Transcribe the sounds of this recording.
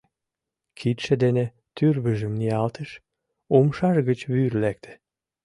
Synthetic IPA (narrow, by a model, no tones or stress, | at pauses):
kʰit̪ʃĕd̪enĕ | t̪yrβəʒə̆mniɑlt̪əʃ | omʃɑʃɣət͡ɕβyrlæk̚t̪ʰe̥